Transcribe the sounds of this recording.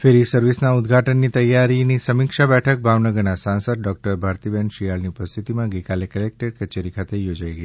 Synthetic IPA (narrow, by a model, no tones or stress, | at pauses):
feɾisəɾʋisnaʊd̪ɡʱaʈənːit̪əjːaɾinisəmikʃabɛʈʰək̚bʱaʋnəɡəɾnasãnsəd̪̚ɖɔk̚ʈəɾbʱaɾt̪ibɛɳʃijaɭniupəst̪ʰit̪imãɡəjkalekəlek̚ʈeɖkət͡ʃeɾikʰat̪ejod͡ʒaiɡəi